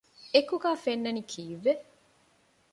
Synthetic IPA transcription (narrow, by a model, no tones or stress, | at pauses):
ekuɡæːfenːɐnikʰiːʋːe